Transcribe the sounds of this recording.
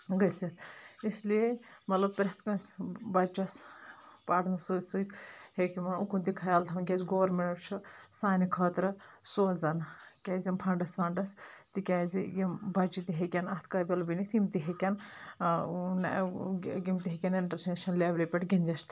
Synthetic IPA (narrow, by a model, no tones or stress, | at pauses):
ɡɐt͡sɐt̪ʰisliemɐt̪lɐb̚pɾʲɐt̪ʰkɐ̃nsbɐt͡ʃɐspaːʈnɐsut̪suit̪ʰhekimɐnukunt̪ikʰɐjaːlt̪ʰɐmɡʲɐsɡoːʋɾmeɳʈt͡ʃʰɐsaːnikʰɐːt̪ɾɐsoːzɐnkʲazɐmpʰɐɳɖɐspʰaːɳɖɐst̪ikʲazijɐmbɐt͡ʃit̪iɦekʲɐnɐt̪ʰkɐbʲɐlbinikt̪imt̪iɦekʲɐn | n | ɡimt̪iɦekʲɐniɳʈɐɾsnʃɐnleːʋlipʲɐʈɡʲind̪ʲist̪